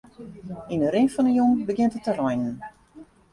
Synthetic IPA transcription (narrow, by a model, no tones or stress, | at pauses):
indəɾɪnfɔnəjombəɡɪntətərɔjnən